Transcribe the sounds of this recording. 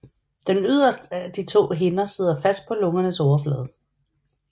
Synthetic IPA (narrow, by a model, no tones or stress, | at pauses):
d̥enyð̞̰ˠɐsd̥əæd̥it͡sʰo̝̰ːɦe̝nɐse̝ð̞̰ˠɐfæsd̥̚pʰɒ̽lɔ̽ŋɐnəsɒʊɐflɛ̰ːð̞ˠ